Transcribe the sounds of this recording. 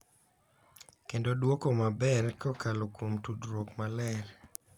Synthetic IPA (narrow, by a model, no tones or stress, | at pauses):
kendodwokomabɛrkɔkalokwomtudɾokmalɛl